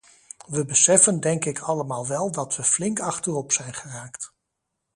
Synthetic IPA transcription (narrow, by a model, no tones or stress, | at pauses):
ʋəbəsɛfəndɛŋkɪkʰɑləmaːlˠʋɛlˠdɑtʋəflɪŋkɑχtərɔpsɛjnχəraːkt